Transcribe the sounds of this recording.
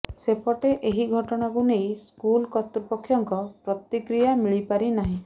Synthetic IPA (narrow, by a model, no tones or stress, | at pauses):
sepɔʈeʔeɦiɡʱɔʈɔɽ̃akunejskulkɔt̪ɾipɔkʰːjɔŋkɔpɾɔt̪ikɾijamiɭipaɾinaɦĩ